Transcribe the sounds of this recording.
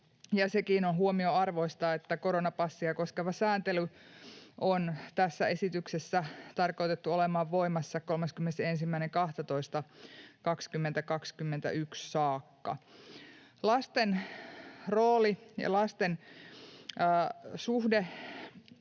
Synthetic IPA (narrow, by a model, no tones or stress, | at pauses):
jɑsekiːnonɦuomioɑrʋoist̪ɑet̪ːækoɾonɑpɑsːiɑkoskeʋɑsæːnt̪ely | ʔont̪æsːæe̞sit̪yksesːæt̪ɑrkout̪et̪ːuolemɑːʋʋoimɑsːɑko̞lmeskymːenesensimːæineŋkɑht̪ɑt̪oist̪ɑkɑkskymːent̪ækɑkskymːent̪æ̰ʔykssɑːkːɑ̰ | lɑst̪en | roːlijɑ̰lɑst̪en | suhde